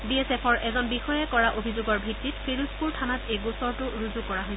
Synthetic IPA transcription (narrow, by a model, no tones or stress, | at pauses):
biɛsɛpʰɔɹʔɛzɔnbixɔjɛkɔɹaʔobʱizoɡɔɹbʱitːitpʰiɹuspuɹtʰanatejɡusɔɹtʊɹuzukɔɹaɦojsɛ